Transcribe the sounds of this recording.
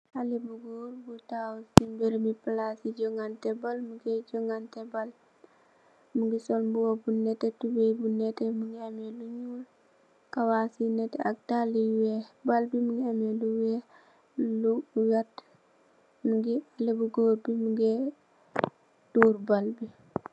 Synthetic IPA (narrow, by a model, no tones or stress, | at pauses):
halebuɡoːɾbutawultibeɾmiplasiɟɔŋɡantɛbalmuɡɛd͡ʒɔŋɡantɛbal | muɡisɔlbuwobunɛtetubebunɛtemuŋemeluɲul | kawasinɛteak̚taliwebalbimuŋemeluwɛ | luwat | muɡialebuɡoːɾbimuɡe | tuːɾbalbi